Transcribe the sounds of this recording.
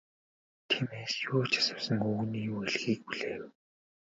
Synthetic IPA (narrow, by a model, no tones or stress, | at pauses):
t̪ʰimeːsjʊːt͡ɕʰḁsə̆wsə̆ŋɵɣniːjuːeɮxiːk̚puɮeːw